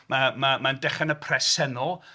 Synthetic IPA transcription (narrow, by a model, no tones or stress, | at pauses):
mamamandɛχanəpʰrɛsɛnɔlˠ